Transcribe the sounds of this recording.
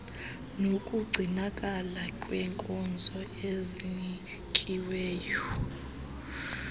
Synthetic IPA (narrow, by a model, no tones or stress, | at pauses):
nokʼuɡ͡ǀʱinakʼalakʼwɛŋkʼɔnd͡zʱɔ | eziɲi | kʼiwɛːjɔ